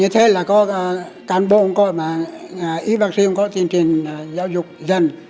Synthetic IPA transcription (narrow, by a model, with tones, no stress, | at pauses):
ɲɨ˧˦t̪ʰe˨˦laː˨˩kɔ˨˦˧kaː˨˩nɓo̰˧˨hʊ˧˦ŋ͡mkɔ̰˧˨jmaː˨˩˨ʔi˨˦va˨˩k̚si˧hŋ͡mkɔ̰˧˨t̪i˧˩ənt͡ɕi˨˩əŋ˨zaː˨˦wzʊ˨˩k͡p̚zə˧˩n